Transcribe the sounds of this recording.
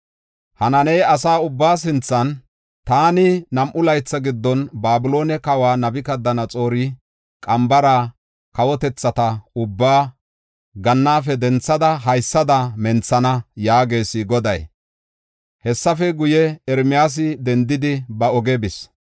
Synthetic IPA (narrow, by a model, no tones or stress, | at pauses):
hɐnɐnɛjɐsaːʊbːaːs̬ɪnt͡sːɐn | t̪aːnɪnɐmʔʊlɐjt͡sːɐɡɪd̪ːɔnbaːbɪlo̞ːnɛkɐwaːnɐbɪkɐd̪ːɐnɐt͡sʼo̞ːɾɪ | kʼɐmbɐɾa | kɐwɔt̪ɛt͡sːɐt̪ɐʊbːaː | ɡɐnːaːfɛd̪ɛnt͡sːɐd̪ɐɦɐjsːɐd̪ɐmɛnt͡sːɐnɐjaːɡe̞ːsɪɡɔd̪ɐ̰j | hɛsːɐfɛɡʊjɛɛɾmɪjaːs̬ɪd̪ɛnd̪ɪd̪ɪbɐɔɡɛbɪs